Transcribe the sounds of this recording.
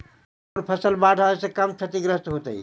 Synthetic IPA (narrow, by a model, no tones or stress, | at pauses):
ɾpʰəsəlbaʈʰəsekəmt͡ʃʰət̪iɡɾəst̪ɦot̪əḭ